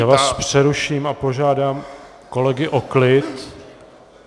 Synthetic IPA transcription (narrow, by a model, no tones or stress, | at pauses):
aːvaːspr̥ɛɾuʃiːmapo̞ʒaːdaːm | ko̞lɛɡɪʔo̞klɪt̪